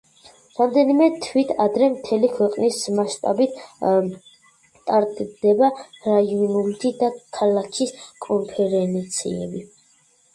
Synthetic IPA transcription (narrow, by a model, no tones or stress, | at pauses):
ɾamd̪ɛnimɛt̪ʰwit̪ʰad̪ɾɛmt̪ʰɛlikʰwɛqʼnismaʃt̪ʼa̰bit̪̚ʰ | t̪ʼaɾt̪ʼd̪ɛbaɾajɔnult̪ʰid̪akʰalakʰiskʼɔmpʰɛɾɛnt̪sʰḭɛ̰bi